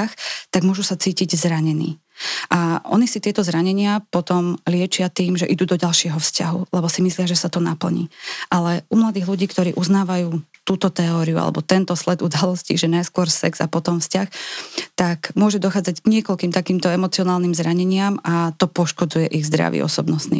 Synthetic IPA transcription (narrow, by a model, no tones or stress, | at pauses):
xt̪aɡmʊɔʒusat͡siːciɟzɾaɲɛnḭː | ʔaʔɔ̰nisit̪ɪɛt̪ɔzɾaɲɛɲɪapɔt̪ɔmlɪɛt͡ʃɪat̪iːmʒɛʔid̪uːd̪ɔɟalʃɪɛɦɔfscaɦṵlɛbɔsimislɪaʒɛsat̪ɔnapl̩ɲḭːʔalɛʔumlad̪iːɣluɟiːkt̪ɔɾiːʔuznaːʋajuːt̪uːt̪ɔt̪ɛɔːɾiua̰lɛ̰bɔt̪ɛnt̪ɔslɛd̪ud̪alɔscḭʒɛnajskʊɔɾsɛɡz̥a̰pɔt̪ɔmfscaxt̪akmʊɔʒɛd̪ɔxaːd͡zaɟɡɲɪɛkɔlkiːmt̪akiːmt̪ɔɛmɔt͡siɔnaːlniːmzɾaɲɛɲɪamat̪ɔpɔʃkɔd͡zujɛʔiɣzd̪ɾa̰ʋḭɔ̰sɔbnɔst̪nḭː